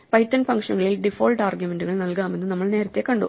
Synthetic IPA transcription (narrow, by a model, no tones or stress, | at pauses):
pɐjtːɐnfɐŋkʂɐnɣɐɭilɖifo̞ːlʈaːrɡjume̞nɖuɣɐɭnɐlkaːmenːɨnɐmːɐɭne̞ːɾɐt̪ːe̞kːɐɳɖṵ